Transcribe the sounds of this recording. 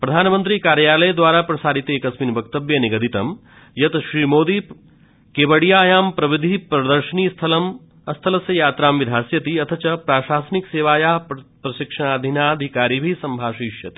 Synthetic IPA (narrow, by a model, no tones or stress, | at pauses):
pɾɐd̪ʱaːnmə̃nt̪ɾikaːɾjaːlɐjd̪ʋaːɾaːpɾɐsaːɾit̪eːkɐsminbɐk̚t̪ɐbjɐniɡɐd̪it̪ɐm | jɐt̪ʃɾiːmoːd̪i | keːʋɐɽijaːjaːmpɾɐʋid̪ʱipɾɐd̪ɐɾʃɐniːst̪ʰɐlɐm | ɐst̪ʰɐlɐsjɐjaːt̪ɾaːmʋid̪ʱaːsjɐt̪iɐt̪ʰɐt͡ʃɐpɾaːʃaːsɐnikseːʋaːjaːɦpɾɐʃikʂɐɳ̃aːd̪ʱinaːd̪ʱikaːɾiːbʱisɐmbʱaːʃiːʃjɐt̪i̥